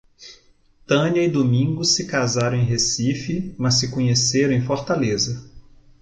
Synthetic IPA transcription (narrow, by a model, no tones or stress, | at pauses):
t̪ɐ̃niɐid̪omĩŋɡʊsːɪkazaɾɐ̃w̃ẽj̃ɦesifɪmɐsːɪkõɲeseɾɐ̃ẽj̃foɾt̪alezɐ